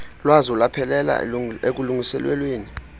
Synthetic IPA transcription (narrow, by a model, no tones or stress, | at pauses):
lwazɔlapʰɛlɛla̰ek̬uluŋisɛlwɛ̰lweːni